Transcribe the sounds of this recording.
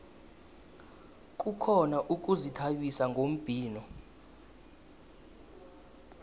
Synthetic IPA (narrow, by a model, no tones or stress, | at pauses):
k̬ʼukʰɔnaʔuk̬ʼuzitʰaɓisaŋɡʱom̩b̥ʱiːnɔ